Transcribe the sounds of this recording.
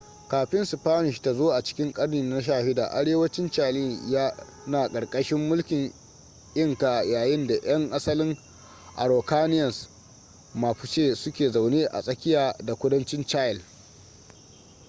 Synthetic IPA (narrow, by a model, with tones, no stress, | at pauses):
kaː˨ɸɪ˦nsɪ˨ɸaː˦nɪ˨ʃta˨zoː˦ʔa˨t͡ʃɪ̥˦kʲɪ˦ŋkʼɐ˦ɽniː˨˦na˦ʃ̬aː˦hɪ˦da̰ː˨ʔa̰˦ɽeː˦wɐ˦t͡ʃɪ˦nt͡ʃa˦liː˦˨jaː˦ | naː˨kʼɐ˨rkʼɐ˦ʃɪ˦mːʊ˦lkʲɪ˨ŋ | ʔɪ˦˨ŋka˨ʔjaː˨jɪ˦nda˨ʔj̰ɐ˦ŋʔa˦sɐ˦lɪ˦ŋ | ʔa̰˨ɾoː˨kaː˦nɪ˦jɐ˨s | maː˨ɸʊ˨t͡ʃeː˦sʊ˦kʲeː˨za˨wneː˦ʔa̰˨sʼɐ˦kʲɪ˦jaː˨da˨kʷʊ˦dɐ˦nt͡ʃɪ˦nt͡ʃaː˦jɪ˨l